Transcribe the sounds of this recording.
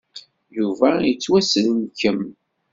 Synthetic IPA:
juvæjət͡sːwæsəlnkəm

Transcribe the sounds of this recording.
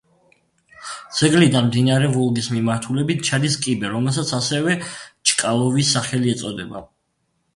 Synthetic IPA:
d̪z̥ɛɡlid̪anmd̪inaɾɛvɔlˠɡismimaɾt̪ʰulɛbit̪̚ʰt͡ʃʰad̪iskʼibɛɾɔmɛlˠs̬at̪sʰasɛvɛt͡ʃʼkʼalˠɔvisaχɛliɛt̪sʼɔd̪ɛba̰

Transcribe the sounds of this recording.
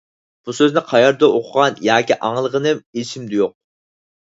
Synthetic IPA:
b̥usøznɪqʰɑjɑɾd̪oʔoqʰʊʁɑnjɑːkʲiʔɑŋlˠəʁənɨmeʃʰimd̪ɪjoq̚

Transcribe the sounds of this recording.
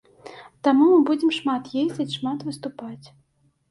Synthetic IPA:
t̪amumɨbud͡zʲɛmʂmat̪jezʲd͡zʲɐt͡sʲʂmat̪vɨst̪upat͡sʲ

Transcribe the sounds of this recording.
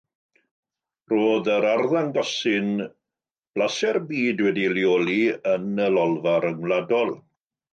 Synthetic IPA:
roːðəɾarðaŋɡɔsɪn | b̥lasɛrbiːdwɛdiljoːliənəlɔlˠvaɾəŋwladɔlˠ

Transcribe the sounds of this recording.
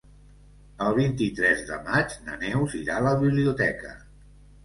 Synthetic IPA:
əlˠβint̪it̪ɾɛzðə̰mad͡ʒnə̰nɛwziɾaləβiβliut̪ɛkə̰

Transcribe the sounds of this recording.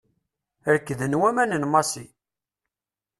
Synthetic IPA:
əɾəkːðənwæmænənmɑsi

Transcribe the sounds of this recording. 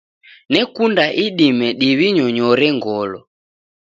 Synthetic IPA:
nɛkundaʔiɗimɛɗiβiɲɔɲɔɾɛŋɡɔlɔ

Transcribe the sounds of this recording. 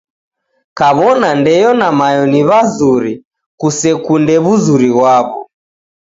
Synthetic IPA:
kaβɔnandɛjɔnamajɔniβazuɾi | kusɛkundɛβuzuɾiwaβɔ

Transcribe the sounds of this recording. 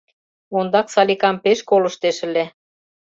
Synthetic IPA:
ond̪ɑksɑlʲikɑmpeʃkolɤ̆ʃt̪eʃə̆le

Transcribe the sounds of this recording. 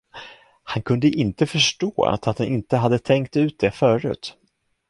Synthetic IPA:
hankʰɵnd̪əʔɪnt̪əfœʂʈoːa̰t̪at̪̚d̪anʔɪnt̪əɦad̪ːət̪ʰɛŋk̚t̪ʉ̟ːt̪̚d̪ɛfœːɾʉ̟̰ːt̪

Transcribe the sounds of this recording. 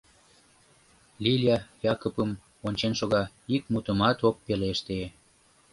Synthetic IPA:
lʲilʲjɑjɑkopəm | onʲt͡ɕenʃoɣɑ | ik̚mut̪əmɑt̪opːeleʃt̪ee

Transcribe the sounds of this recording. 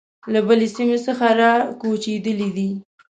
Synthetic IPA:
labəlesimesəxaɾɑkot͡ʃed̪əlid̪i

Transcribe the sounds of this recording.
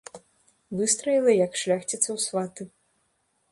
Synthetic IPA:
vɨst̪ɾɐjilˠɐjɐkʂlʲaxt͡sʲit̪sɐwsvat̪ɨ

